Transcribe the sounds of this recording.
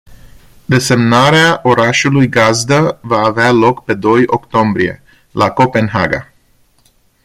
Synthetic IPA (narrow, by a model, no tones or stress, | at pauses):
d̪e̞se̞mnaɾeaʔo̞ɾaʃulujɡazd̪əvaːvealo̞kpe̞d̪o̞jo̞kt̪o̞mbɾie̞̰ | lʔako̞pe̞nɦa̰ɡa̰